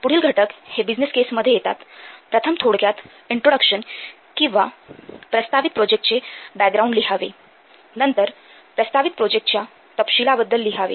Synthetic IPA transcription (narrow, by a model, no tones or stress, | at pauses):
puɽ̤iːlɡʱəʈəkhebid͡ʑniskesməd̪ʱːjejet̪a̰t̪pɾət̪ʰəmt̪ʰoɽɡjat̪ | iɳʈɾoɽəkɕən | kĩw̃ʋapɾəst̪ʰaʋit̪̚pɾod͡ʑek̚ʈt͡sebæk̚ɡɾauɳɖliɦaʋḛ | nənt̪əɾ | pɾəst̪ʰaʋit̪̚pɾod͡ʑek̚ʈ̚t͡ɕja | t̪əpɕilabəd̪ːəlːiɦaʋḛ